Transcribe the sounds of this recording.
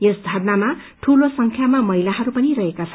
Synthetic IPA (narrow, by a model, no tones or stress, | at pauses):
jesd̪ʱʌrnamaʈʰulosʌŋkʰjamamʌɦilaɦʌɾupʌnirʌɦekat͡sʰʌn